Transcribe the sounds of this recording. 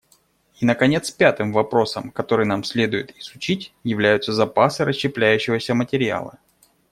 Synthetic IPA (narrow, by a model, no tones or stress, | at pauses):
inəkɐnʲe̞t̪spʲat̪ɨmvɐpɾo̞səmkɐt̪o̞ɾɨjnamsʲlʲe̞d̪ʊjɪt̪ɪz̥ʊt͡ɕitʲjɪvlʲæjʊt̪səzɐpasɨɾəɕːɪplʲæjʉɕːɪvəsʲəmətʲɪɾʲɪa̰lˠɨ̰